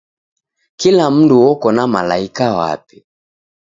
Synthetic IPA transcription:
kilam̩nduwɔkɔnama̰la̰ikawa̰pi̥

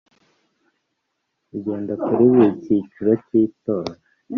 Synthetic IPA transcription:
iɟeːndakuɾiβicit͡ʃuɾociːtoːɾa

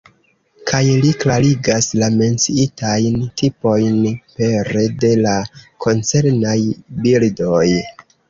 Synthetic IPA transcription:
kʰajliklaɾiɡaslame̞nt͡siitajntʰipo̞jnpe̞ɾede̞lakʰo̞nt͡se̞ɾnajbildo̞j

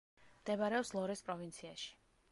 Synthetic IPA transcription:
md̪ɛbaɾɛɔpslˠɔɾɛspʼɾɔvint̪sʰiaʃi̥

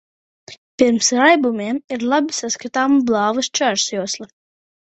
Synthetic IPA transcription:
piɾmsɾajbumiɛmiɾlˠabʲisaskat̪aːmublˠɑːvɨst͡ʃaɾsuɔslˠa

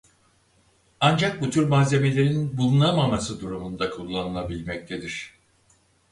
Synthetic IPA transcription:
and͡ʒak̚but̪ʰyɾmaːzʲe̞me̞lʲe̞ɾiinbulˠunamamasɯd̪uɾumund̪akʰulˠːanɯlˠabilʲmɛc̚t̪ʰe̞d̪iɾ̥

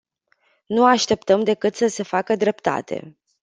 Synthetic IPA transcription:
nuaʃt̪e̞p̚t̪əmd̪e̞kɨt̪səse̞fakəd̪ɾe̞pt̪a̰t̪ʰe̞̰

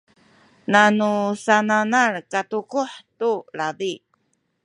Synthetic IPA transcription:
nanusananarkatukuħtulabi

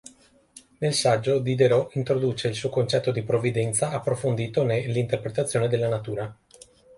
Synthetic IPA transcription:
nelsad͡ʒːod̪id̪eɾɔʔint̪ɾod̪uːt͡ʃeilsuːokont͡ʃɛt̪ːod̪ipɾovːid̪ɛnt̪saapːɾofond̪iːt̪onelːint̪erpɾet̪at̪sːjoːned̪elːanat̪uːɾa

